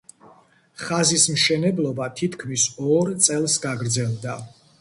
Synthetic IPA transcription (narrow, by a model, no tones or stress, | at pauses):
χazismʃɛnɛblˠɔbat̪ʰit̪ʰkʰmisɔɾt̪sʼɛlˠsɡaɡɾd̪zɛlˠd̪a